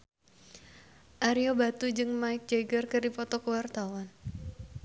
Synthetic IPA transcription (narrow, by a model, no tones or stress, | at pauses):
ʔaɾijobat̪ud͡ʒɨŋmaɪk̚d͡ʒaɡərkərdipɔt̪ɔkəwart̪awan